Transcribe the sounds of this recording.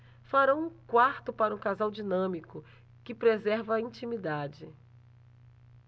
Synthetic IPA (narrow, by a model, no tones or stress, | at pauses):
faɾɐ̃w̃ũkwaɾt̪ʊpaɾɐũkazawd͡ʒinɐ̃mikʊ | kɪpɾezɛɾvɐĩt͡ʃimid̪ad͡ʒɪ